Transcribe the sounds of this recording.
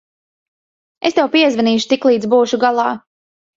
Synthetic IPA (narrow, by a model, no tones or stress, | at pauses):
est̪ɛwpiɛzvɛniːʃu̥t̪iklˠiːd̪zbuːʃuɡalˠɑː